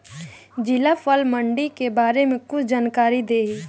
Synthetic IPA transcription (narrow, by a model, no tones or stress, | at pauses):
d͡ʒɪlafəlməɳɖikebaːɾemẽkʊt͡ʃʰd͡ʒaːnkaːɾid̪eːɦiː